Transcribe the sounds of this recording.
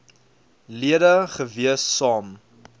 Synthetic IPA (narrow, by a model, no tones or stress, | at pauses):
liədəχəviəsːɑːm